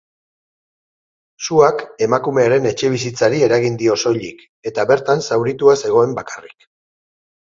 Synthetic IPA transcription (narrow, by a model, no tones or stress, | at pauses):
suake̞makume̞aɾe̞ne̞t͡ʃe̞β̞isit͡saɾie̞ɾaɣ̞ind̪io̞so̞ʎik | e̞t̪aβe̞ɾt̪ansawɾit̪uase̞ɣ̞o̞e̞mbakarik